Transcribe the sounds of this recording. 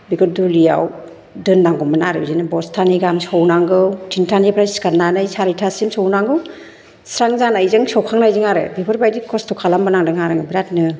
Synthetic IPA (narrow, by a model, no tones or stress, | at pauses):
biɡɯdulija̰w | dɯndaŋɡɔmanaɾɯbzinɯbɔstʰaniɡamsɔwnaŋɡɯwtʰintʰanipʰɾajskaɾnanɯjsaɾitʰasimsɔwnaŋɡɯw | sɾaŋzanajzɯŋsɔwkʰaŋnajziŋaɾɯ̰bipʰɯɾbajdikʰɔstʰɔkʰalambanaŋdɯŋaɾɯŋɯbiɾatnɯ